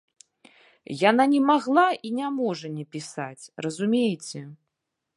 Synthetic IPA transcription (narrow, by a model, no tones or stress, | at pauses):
jananʲɛmaɣlˠaʔinʲamɔʐɐnʲɛpʲisat͡sʲrɐzumʲejt͡sʲɛ